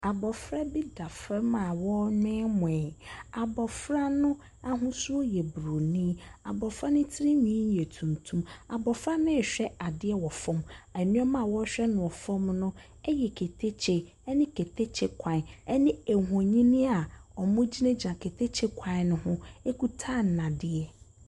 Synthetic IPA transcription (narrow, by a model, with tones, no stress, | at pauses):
a˨bɔ˨fɾa˦bi˦da˨fɾɛ˦mã˨wɔ˦ɲᶣɪ̃˦ɛ˦mʊ̃˨ɛ˨a˨bɔ˨fɾa˦nʊ̃˦ | a˦ɦʊ̃˦su˦o˦jɛ˨bɾo˨nĩ˦a̰˨bɔ˨fɾa˦nʊ̃˦tʰɪ˦ɾi˦ɲĩ˦jɛ˨tʰũ˨mtʰũ˦ma˨bɔ˨fɾa˦nɪ̃˦˨ɕᶣɛ˦a˨dɪ˦ɛ˦wɔ˨fɔ̃˦ma˨nĩ˦ɛ˦mã˦˨wɔ˦ɕᶣɛ˦nʊ̃˨ɔ˨fɔ̃˦mnʊ̃˦ | ɛ˦jɛ˨kʰe˨tʰe˦t͡ɕʰe˨ | ɛ˦nɪ̃˦kʰe˨tʰe˦t͡ɕʰɪ˦kʷʰã˨ɛ˦nɪ̃˦ɛ˨ɦɔ̃˨ɲĩ˦nĩ˦a˨ɔ˨mʊ̃˦d͡ʑi˦nẽ˦d͡ʑi˨ã˨kʰe˨tʰe˦t͡ɕʰɪ˦kʷʰã˨˦nʊ̃˦hʊ̃˦e˦ku˦tʰa˦˨n̩˨nã˨dɪ˦ɛ˦